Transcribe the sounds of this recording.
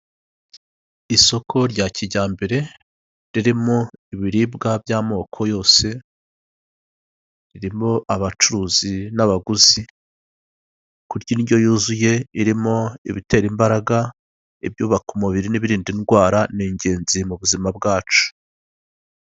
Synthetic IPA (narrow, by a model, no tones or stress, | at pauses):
iso̞kʰo̞ɾɟaciɟaːmbeɾe̞ | ɾiɾimo̞iβiɾiːbɡabjaːmo̞ːkʰo̞jo̞ːse̞ | ɾiɾimo̞ʔaβat͡ʃuɾuːzinaβaɡuzi | kuɾɟiniɟo̞juːzuje̞iɾimo̞ḭβite̞ːɾimbaɾaɡa | ib̚juːβakumuβiɾiniβiɾiːndinɡwaːɾaniːɲɟe̞ːnzimuβuzimab̚ɡaːt͡ʃu̥